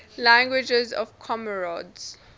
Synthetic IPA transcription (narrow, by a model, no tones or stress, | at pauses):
lãŋɡwɪd͡ʒɛzɔ̰vkʰɔməɹɔdz̥